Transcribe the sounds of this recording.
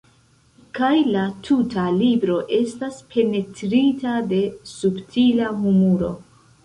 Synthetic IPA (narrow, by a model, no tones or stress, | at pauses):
kajlatʰutalibɾo̞ʔe̞staspʰe̞ne̞tɾitade̞subtʰilaɦumuɾo̞̰